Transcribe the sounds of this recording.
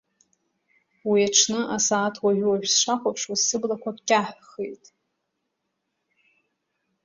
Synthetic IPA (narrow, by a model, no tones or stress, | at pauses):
wiaʈ͡ʂʰnɨʔasaːtʰwaʒᶣʷwaʒᶣsʂʷaχʷapʰʂwasɨblakʷʰakʼkʲʼaħχejtʼ